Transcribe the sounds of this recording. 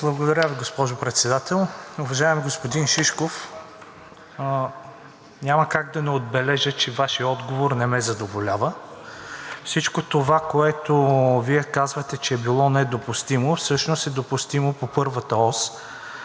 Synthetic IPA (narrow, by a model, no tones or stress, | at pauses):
blˠɐbɡod̪ɐɾʲaviɡospɔʒopɾɛt̪sɛd̪at̪ɛlˠʊvɐʒaɛmiɡospod̪inʃiʃkof | nʲaməkaɡ̚d̪ɐnɛod̪̚bɛlɛʒət͡ʃɛvaʃiəɔd̪ɡovoɾnɛmɛzɐd̪ovolʲavə | fsit͡ʃkot̪ovakoɛt̪oviɛkazvət̪ɛt͡ʃɛːbilˠɔnɛd̪opʊst̪imofsɤʃnost̪ɛd̪opʊst̪imopopɤɾvət̪əɔs